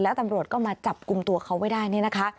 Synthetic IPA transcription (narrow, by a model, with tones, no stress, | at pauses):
lɛː˦˥t̪a˧mɾu˨˩ət̪̚kɔː˥˩maː˧t͡ɕa˨˩p̚ku˧mt̪u˧ɐkʰa˦˥wma˥˩jdaː˥˩jni˥˩na˦˥kʰa˦˥